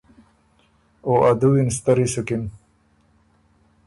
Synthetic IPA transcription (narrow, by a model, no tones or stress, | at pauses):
oʔad̪uwinst̪ɐɾisukin